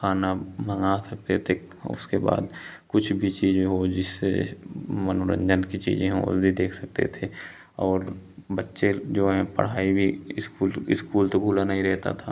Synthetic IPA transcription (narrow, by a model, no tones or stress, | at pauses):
xaːnaməŋasɐk̚t̪et̪ʰe | ʊ̰skeba̰ːd̪kʊt͡ʃʰbʱit͡ʃiːd͡ʒẽɦod͡ʒɪsːḛ | mənoɾə̰̃ɲd͡ʒənkit͡ʃḭːzẽɦɛ̰̃bʱid̪eːkʰsɐk̚t̪ḛt̪ʰe | ɔːɾbətːʃed͡ʒoːɦɛ̃pə̰ɽ̤aːibʱiɪskuːlɪskuːlt̪oɡʱuːlanɐɦĩɾɛɦt̪a̰t̪ʰa